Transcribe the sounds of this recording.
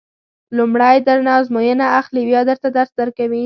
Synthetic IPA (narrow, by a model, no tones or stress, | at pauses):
lumɽajd̪əɾnɑzmojənaaxliwjɑd̪əɾt̪ad̪aɾsd̪əɾkawi